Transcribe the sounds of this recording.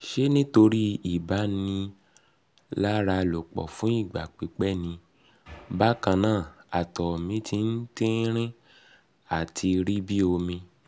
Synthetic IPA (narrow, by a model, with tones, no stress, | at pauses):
ʃe˦nĩ˦to˧ɾi˦i˦˨ba˨˦nĩ˧ | la˦ɾa˧lo˨k͡pɔ̰˨fũ˨˦i˦˨ɡ͡ba̰˨k͡pi˨˦k͡pɛ˦nĩ˧ | ba˦kã˧nãː˦˨a˨tɔ˨mĩ˨˦tʰi˧n̩˦tĩ˦ɾ̃ĩ˦ | a˦˨tʰi˧ɾi˦bi˦o˧mĩ˧